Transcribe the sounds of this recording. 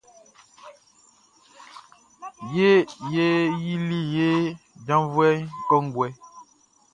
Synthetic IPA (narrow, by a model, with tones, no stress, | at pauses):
je˦je˦ji˦li˦je˦d͡ʒã˦vwɛ˦kɔ˦ŋ˦ɡwɛ˦